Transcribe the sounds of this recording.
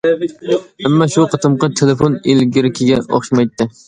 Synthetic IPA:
ɪmːaʃuqʰɨt̪ʰɨmqʰɑt̪ʰelefonelɡʲɪɾɪkʲʰɪɡʲɛɒ̰χʃmajt̪ʰːɪ

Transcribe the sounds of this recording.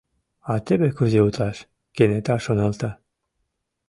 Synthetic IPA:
ɑt̪ebekyzeut̪lɑʃ | kenet̪ɑʃonɑlˠt̪ɑ

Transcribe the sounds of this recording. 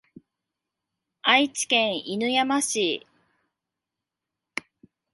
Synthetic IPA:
ait͡ɕi̥kẽɰ̃inɯ̟jamaɕi

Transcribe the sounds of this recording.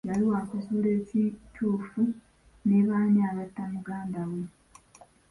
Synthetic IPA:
jaliwakuzuːle̞ːcitʰuːfu | neβaːniaβatːamuɡaːndawe

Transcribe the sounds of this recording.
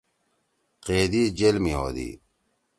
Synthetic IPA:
qeːd̪iːd͡ʑelmiɦo̰ːd̪ḭː

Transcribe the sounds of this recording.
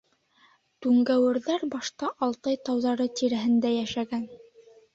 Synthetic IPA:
t̪ʉŋɡæwɘ̆ɾðæɾbɑʃt̪ɑʔɑlˠt̪ɤjt̪ɑwðɑɾɤt̪iɾæɦɘ̆nd̪æjæʃæɡæn

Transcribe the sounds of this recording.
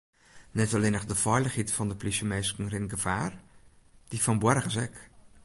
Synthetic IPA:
nɛtɔleːnəχdəfɔjləχhitfɔndəplisjəmeːskŋ̩rɪnɡəvaːr | d̥ifɔnbwɛrχəsɛk

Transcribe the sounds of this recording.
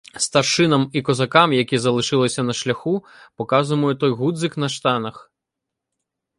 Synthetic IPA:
st̪ɐrʂɨnɐmikɔzakamjakʲizɐlˠɨʂɨlˠɐsʲɐnɐʂlʲaxu | pɔkazujmɐjut̪ɔjɣud̪zɨknɐʂt̪anɐx

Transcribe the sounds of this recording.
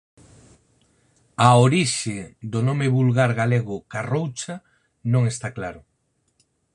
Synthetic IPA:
aoɾiʃɪd̪onomɪβulɣaɾɣaleɣʊkarowt͡ʃa | nõŋest̪aklaɾʊ

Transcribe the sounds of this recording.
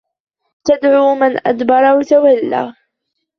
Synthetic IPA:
t̪ad̪ʕuːmanʔa̰d̪bɑɾˤɑwat̪awalːa̰ː

